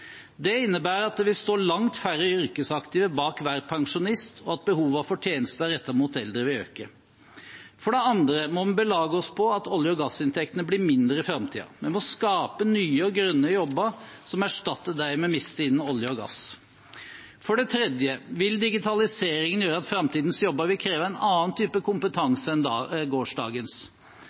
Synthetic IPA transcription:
d̪ɛɪnːəbæːɾɑt̪̚ʋɪst̪oːɭɑŋt̪fæɾəʏɾkəsɑkt̪ɪːʋəbɑːkʋæːɾpʰɑŋʂʊnɪst̪ʰɔɑt̪̚bəhuːʋəɑfɔʈʰjeːnəst̪əæɾɛt̪ːəɾmuːt̪ɛld̪ɾəʋɪø̰ːkə | fɔɖɛɑnd̪ɾəmɔbəlɑːɡəɔspʰɔɑt̪ɔljəɔɡɑsɪnt̪ʰɛkt̪ənəblɪmɪnd̪ɾəɪfɾɑmt̪ʰḭːɑ̰mɛnmɔskɑːpənyːəɔɡɾœnːəjɔbːəɾsɔmæʂʈɑt̪ːəɖæɪmɛɔmɪst̪əɪnːɔljəɔɡɑ̰s | fɔɖɛt̪ʰɾɛd̪jəʋɪld̪ɪɡɪt̪ʰɑlɪseːɾɪŋənjøːɾəɑt̪fɾɑmt̪ʰiːd̪n̩sjɔbːəɾʋɪlkʰɾeːʋəæɪnɑːnt̪ʰyːpəkʊmpət̪ʰɑŋsəɛnːɡoːʂdɑ̰ːɡəns

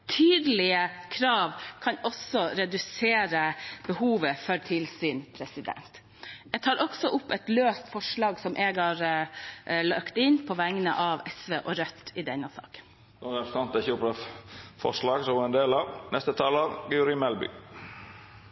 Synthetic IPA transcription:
t̪ʰyːd̪əlɪəkʰɾɑːʋkʰɑnɔsɔɾɛd̪ʉseːɾəbəhuːʋəfɔɾt̪ʰɪlsɪnpʰɾɛsɪd̪ɛ̰nt̪ | ɛɡ̚t̪ʰɑːɾʔɔksɔʔʊpːɛt̪løːst̪fɔʂɭɑːɡsɔmʔeːɡhɑɾ | lɑkt̪ɪnpʰɔʋæŋnə̰ʔɑʋɛsʋeːʔɔɾœt̪ːɪd̪ɛnːəsɑ̰ːkə̥n | d̪ɔɾɛpɾəsɑnt̪əɪçəʊpɾɑfɔ̰ʂlɑːɡsɔʋɑɛnd̪eːlɑʋnɛst̪ət̪ʰɑːləɾɡʉɾɪmɛlbʏ̰ː

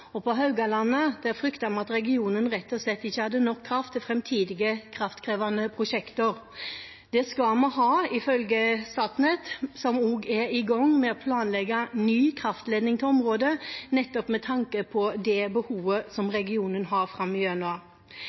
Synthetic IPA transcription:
ɔpɔɦɑʉɡɑlɑnːəd̪̥ɛæɾfɾʏkt̪ɑmɑt̪ɾɛɡɪuːnənɾɛt̪ːɔslɛt̪ːɪçːəhɑd̪ːənɔkʰːɾɑft̪ʰːɪlfɾɛmt̪ʰiːd̪ɪɡəkʰɾɑft̪kʰɾeːʋɑnəpʰɾʊʂɛkt̪əɾ | d̪̥ɛskɑmɔɦɑːɪfœlɡəst̪ɑːt̪nɛt̪sɔmuːɡæɾɪɡɑŋːmɛɔpʰlɑːnlɛɡɑnyːkʰɾɑft̪leːd̪nɪŋt̪ʰɔmɾoːd̪ənɛt̪ːɔpmɛt̪ʰɑŋkəpʰɔd̪ɛbəhuːʋəsɔmɾɛɡɪuːnənɦɑɾfɾɑmːɪœnʉɑ

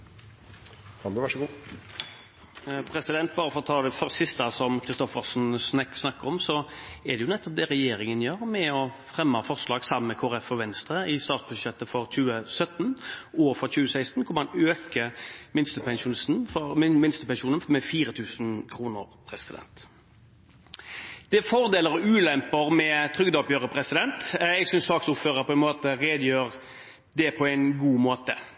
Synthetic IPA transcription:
fɑbøʋæʂɡuː | pʰɾɛsɪd̪ɛnt̪̚bɑːɾəfɔʁt̪ʰɑːd̪ɛfœʁssɪst̪ɑsɔmkʰɾɪst̪ɔfəsnsnɛksnɑkːəʁɔmsɔɛʁd̪ɛjʊnɛt̪ːɔp̚d̪ɛːɾɛjeːɾɪŋənjøːɾmɛɔfɾɛmːəfɔʁslɑːɡsɑmːəkʰoːɾɛfɔʋɛnst̪ɾəɪst̪ɑːt̪sbʉʃɛt̪ːəfɔɾc͡çʉːəsœt̪ːnoːʋəfɔɾçʉːəsæɪst̪n̩kʰʊmɑnøːkəmɪnst̪əpʰɛnʃʊːnsn̩fɔmɪnst̪əpɛnʃuːnənmɛfiːɾət̪ʰʉːsnkʰʁuːnəʁpʰɾɛsɪd̪ɛ̰nt̪ | d̪̥ɛfɔʁd̪eːləʁɔʉːlɛmpəʁmɛt̪ʰʁʏɡd̪ɔpjøːʁəpʰʁɛsɪd̪ɛnt̪ɛɡsʏnsɑːksʊføːʁəɾpʰɔɛnmoːt̪əʁeːd̪əjøːʁ | d̪ɛpʰɔæɪnɡuːmoːt̪ə

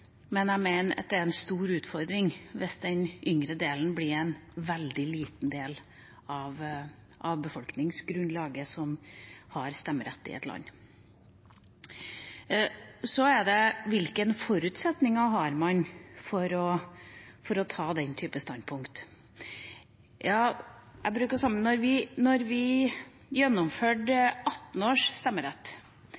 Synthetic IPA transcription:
mɛnæmeɪnəɑ̰t̪̚d̪ɛæɾɛnst̪uːɾʉːt̪fɔɾd̪ɾɪŋʋɪsd̪ɛnʔʏŋɾəd̪eːln̩blɪɾɛnʋɛld̪ɪliːt̪n̩d̪eːl | ɑʋ | ʔɑʋbəfɔlknɪŋsɡɾʉnlɑːɡəsɔmhɑɾst̪ɛmːəɾɛ̰t̪ːɪ̰ɛ̰t̪lɑ̰nː | sɔɛd̪ɛʋɪlkənfɔɾʉt̪sɛt̪nɪŋɑɦɑɾmɑnfɔɾɔ | fɔɾɔt̪ʰɑːd̪ɛnt̪ʰyːpəst̪ɑnd̪̚pʰʊŋkt̪ | jɑːʔæbɾʉːkəsɑmːənɔɾʋɪnɔɾʋɪ | jɛnːɔmføːɖɑt̪n̩oːʂst̪ɛmːəɾɛt̪ː

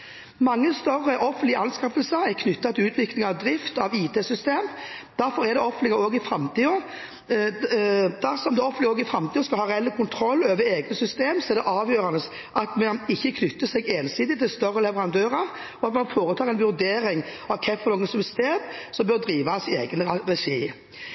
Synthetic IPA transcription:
mɑŋːəst̪œrːəʔɔfənɪɑnskɑfəlsəɾɛkʰnʏt̪ːɑt̪ʰɪlʉːt̪ʰʋɪklɪŋɑʋd̪ɾɪft̪ɑʋiːt̪ʰeːsʏst̪eːm | d̪̥æɾfɔɾɛd̪ɛɔfənɪŋəɾoːɡɪfɾɑmt̪ʰiːɔ | d̪̥æsɔmd̪ɛɔfənɪoːɡɪfɾɑmt̪ʰiːɔskɑlhɑːɾʁɛɛlːəkʰʊnt̪ʰɾɔlːøːʋəɾeːɡnəsʏst̪eːmsɔɛɾd̪ɛʔɑːʋjøːɾɑnəs | ʔɑt̪mɛnɪçːəkʰnʏt̪ːəsɛɡeːnsiːd̪ɪt̪ʰɪlst̪œrːəlɛʋəɾɑnd̪øːʁəʁ | ɔɑt̪mɑnfoːɾət̪ʰɑːʁɛnʋʉʁd̪eːɾɪŋɑʋkʰɛfɔnoːɡənsɔmst̪eːd̪sɔmbœɾd̪ɾiːʋɑsɪḛːɡənəʁɛʂiː

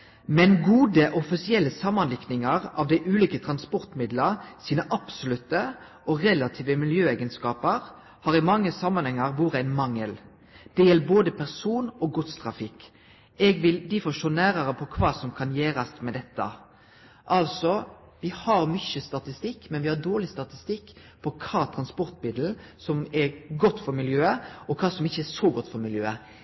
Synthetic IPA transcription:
mɛnɡuːd̪əʔɔfɪsɪɛlːəsɑmːɑnlɪknɪŋɑʁɑʋd̪æɪʔʉːliːkət̪ʰʁɑnspɔʁt̪mɪd̪ləʁsiːnəʔɑpsʊlʉt̪ːə | ɔʁɛlɑt̪ʰiːʋəmɪljøːæɪɡənskɑːpəʁ | hɑːʁɪmɑŋːəsɑmːɑnhɛŋːɑʁʋuːʁəæɪnmɑŋːəl | d̪̥ɛjɛlːboːd̪əpʰæʁsuːnoːɡʊt̪st̪ʰʁɑfɪk | ɛɡʋɪld̪ɪfɔʂoːnæːɾɑʁəpʰɔkʰʋɑːsɔmkʰɑnjeːɾɑsmɛd̪ɛt̪ːɑ̰ | ʔɑlsɔ | ʋɪhɑɾmʏçəst̪ɑt̪ɪst̪ɪkːmɛnʋɪhɑd̪oːʁɭɪst̪ɑt̪ɪst̪ɪkː | pʰɔkʰɑːt̪ʰɾɑnspɔʁt̪mɪd̪l̩ | sɔmɛɾɡɔt̪ːfɔɾmɪljøːəɔkʰɑːsɔmɪçːəɛsoɡɔt̪ːfɔɾmɪljøːə

